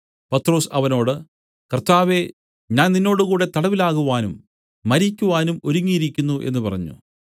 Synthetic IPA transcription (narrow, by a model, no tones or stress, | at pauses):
pɐt̪ro̞ːsɐʋɐno̞ːɽɨ | kɐrt̪aːʋe̞ | ɲaːnninːo̞ːɽɨkuːɽe̞t̪ɐɽɐʋilaːɣuʋaːnumː | ɐɾikʲːuʋaːnumo̞ɾuŋːijiɾikʲːunːuʔe̞̰nːupɐrɐ̰ɲːṵ